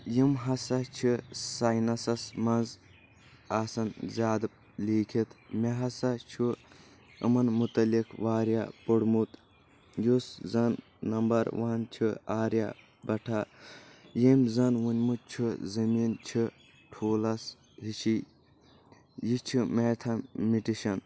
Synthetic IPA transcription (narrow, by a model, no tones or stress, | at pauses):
jimɦɐsɐt͡ʃʰisaːjnɐsɐsmɐnz | aːsɐnzʲaːd̪ | liːkʰit̪mʲeɦɐsɐt͡ʃʰu | ɨ̰mɐnmut̪ɐlikʰʋaːɾja̰puɽmut̪ | juszɐnː | ɐmbɐɾʋɐːnt͡ʃʰiaːɾja̰ | bɐʈʰa | jemʲzɐnwunʲmut̪̚t͡ʃʰuzɐmiːnt͡ʃʰɨ | ʈʰoːlɐs | ɦiʃi | jit͡ʃʰimet̪ʰɐmiʈiʃɐn